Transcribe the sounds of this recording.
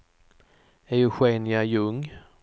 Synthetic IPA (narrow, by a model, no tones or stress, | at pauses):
æjɵɧeːnɪajɵŋː